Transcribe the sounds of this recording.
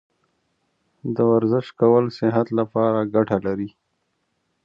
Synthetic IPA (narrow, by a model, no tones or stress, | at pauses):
d̪əwaɾzɪʃkawəlsɪɦat̪lapɑːɾaɡaʈʰalaɾi